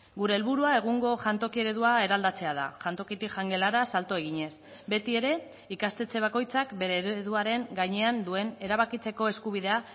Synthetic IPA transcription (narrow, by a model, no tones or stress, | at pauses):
ɡuɾe̞ːlβuɾuae̞ɣ̞uŋɡo̞ʝant̪o̞kie̞ɾe̞ðuae̞ɾald̪at͡se̞að̞a̰ʝant̪o̞kit̪ikʝaŋɡe̞laɾasalt̪oe̞ɣ̞iɲe̞s | be̞t̪ie̞ɾe̞ | ikast̪e̞t͡se̞β̞ako̞jt͡sakbe̞ɾeːɾeðuaɾe̞ŋɡaɲe̞and̪ue̞ne̞ɾaβakit͡se̞ko̞e̞skuβiðe̞a